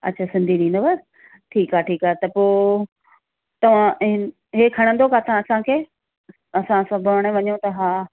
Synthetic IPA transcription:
ɐ̰tːʃʰaːsɪ̃nd̪ʱiɗĩːnd̪obɐs | ʈʰiːkaːeʈʰiːkaːet̪ɐpoː | t̪ɐʋ̤ãʔɪn | ɦeːkʰɐɽ̃ə̃nd̪okʰat̪ãɐsãkʰeː | ɐsãsɐ̃bʱəʋɽ̃ẽʋɐɲõt̪ɐɦaː

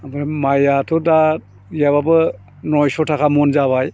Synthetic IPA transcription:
amɾmajatʰɔda | jaβabɯ | nɔjsɔtʰakʰamɔnzaβaj

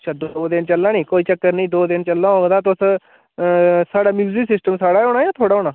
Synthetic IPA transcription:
t͡ʃʰaːd̪oːd̪ɪnt͡ʃəlːãːnĩːkoːiːt͡ʃəkːəɾnĩːd̪oːd̪ɪnt͡ʃəlːãːɦoːɡd̪aːt̪ʊs | saːɽaːmjuːziːsɪsʈəmsaːɽaːoːɽ̃aːjãːt̪ʰoːɽaːɦoːɳaː

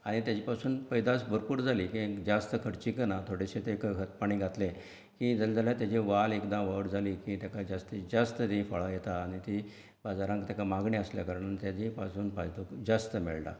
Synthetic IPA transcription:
aɽ̃it̪jat͡ɕipasuːnpəjd̪asbəɾpuːɾd͡zʱaliːkĩkd͡zast̪əkʰəɽt͡ɕiːkənat̪ʰoɽeɕet̪ekɦət̪̚paɳ̃iɡʱat̪lẽ | kid͡zald͡zaljat̪jat͡ɕeʋalekd̪ãʋəʋɽd͡zʱaliːkĩt̪jakad͡zast̪id͡zast̪ət̪ĩfəɭajet̪aːɽ̃it̪i | bad͡zaɾãŋkt̪jakamaɡɳeəsljakəɾɳant̪jad͡ʑipasuːnpajd̪ukd͡zast̪əmḛɭla̰

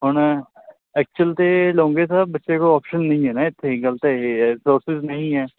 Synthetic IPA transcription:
ɦʊɳ | ɛːk̚t͡ʃʊəlt̪eːlõːŋɡeːsaːbətːʃeːkoːaːpʃənːəĩːɦɛːnaːɪt̪ʰːeɡələt̪esoːɾsɪznəɦĩːɦɛː

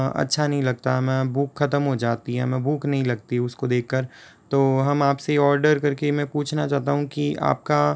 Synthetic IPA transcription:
ɐ̰tːʃʰanɐɦĩlɐɡ̚t̪aɦɛmɛ̃ːbuːkxɐt̪əmɦod͡ʒaːt̪iɦɛ̰mɛ̃buːknɐɦĩlɐɡ̚t̪iɦʊskod̪eːkʰːəɾ | t̪oːɦɐmaːpseɔːɾɖəɾkɐɾkemɛ̃puːt͡ʃʰnat͡ʃaːɦt̪aɦũkia̰ːp̚ka

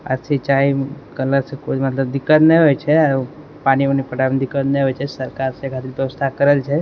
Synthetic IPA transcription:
a̰ɾsʰit͡ʃaikələɾsekod͡ʒmət̪ləbd̪ɪkːət̪neɦojt͡ʃʰea | pañionipəɽabnd̪ɪkət̪neɦojt͡ʃʰesəɾkaɾsekʰat̪ɾit̪ʋjəʋəst̪ʰakəɾelt͡ʃʰe

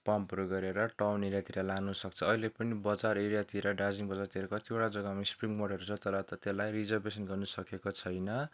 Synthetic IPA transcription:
pampɾoɡʌɾeɾʌʈawniɾjat̪iɾalanusʌk̚t͡sʰʌːɦilepʌnibʌd͡zaɾeɾjat̪iɾʌɖad͡ziŋbʌd͡zart̪ieɾʌkʌt̪ioʈad͡zʌɡamaspriŋɡmʌɽʌɾut͡sʰʌt̪ʌɾʌt̪ʌt̪elajrid͡zʌrbesʌnɡʌrnusʌkekot͡sʰʌjnʌ

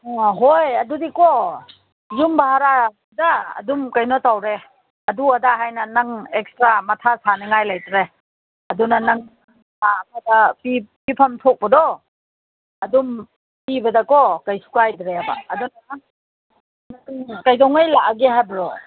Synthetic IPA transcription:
ɦojɐdudikɔ | jumbaɦaɾabda̰ːdumkajnɔtawɾe | ɐduadaɦajnɐnaŋekstɾamɐtʰasaneŋajlajtɾe | ɐdunanaŋ | akʰadapipipʰamtʰɔk̚bɐdɔ | ɐdum | pibɐdɐkɔkajsu̥kajdɾeaba̰ːdunanaŋ | naŋkajdɔŋajlaʔaɡeɦajbaɾɔ

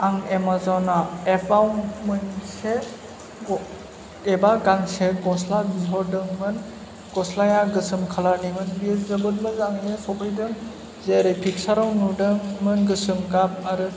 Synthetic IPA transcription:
aŋemazawnaepʰawnmɯnse | ɡɔ | ebaɡaŋseɡɔslazɔɾdɯŋmɯn | ɡ̥ɔslajaɡɯsɯmkʰalaɾnimɯnbiszɯbɯlmɯzaŋjɯsɔbʰɯjdɯŋ | zeɾɯjpʰiksaɾɔwnudɯŋmɯnɡɯsɯmɡap̚aɾɯ

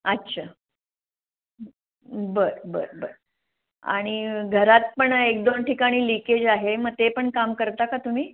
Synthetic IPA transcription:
ətːɕʰa | bəɾbə̰ɾbə̰ɾ | a̰ɽ̃iɡʱəɾat̪̚pəɳek̚d̪onʈʰikaɽ̃iːliked͡ʑaɦeməɡ̚t̪epəɳkamkəɾt̪akat̪um̤iː

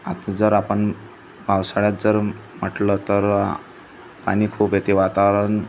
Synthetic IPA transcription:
a̰t̪d͡zəɾapəɳ | bʱawsaɭjat̪̚d͡zəɾm̤əʈlət̪əɾ | pa̰nikʰuːpet̪iʋat̪aʋɾən

